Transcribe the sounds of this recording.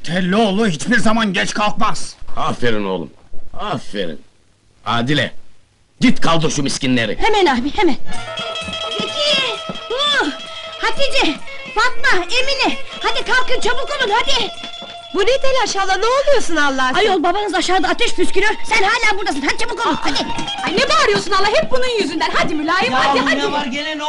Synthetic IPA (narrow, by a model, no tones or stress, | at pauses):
t̪ʰɛlʲːɛolˠuɦit͡ʃbiɾzamanɟɛt͡ʃkʰalˠk̪maz̥afeɾḭno̰lˠṵmafḛɾḭn | a̰ːd̪ilʲɛ̰ | d͡ʒit̪kʰalˠd̪uʃumiskcinlʲeɾḭhemænaːbihemæn | pecʰibu | hat̪id͡ʒɛ | fat̪naemilʲihad̪ikʰalkɯnt͡ʃʰabukolˠunhad̪ɪ | buned̪elʲaʃalˠaneolˠujosunalˠːaajolˠbabanɯzaʃaːd̪ˠaːt̪ʰɛʃpʰyskylyjoɾsænhaːlʲaːbuɾd̪asɯnhad̪it͡ʃʰabukolˠunhad̪ihanɛbaɾɯjoɾsunalˠːahɦɛp̚bununjyzynd̪ænɦad̪imylʲaːjihad̪ihad̪aɾelɛn